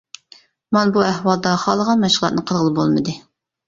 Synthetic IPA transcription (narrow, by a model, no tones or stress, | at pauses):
mɑnbuɛhwɑlˠd̪ɑχɑlˠəʁɑnmɛʃχlˠɑ̰t̪nɨqʰəɾʁəlˠɨbolˠmɨd̪ɨ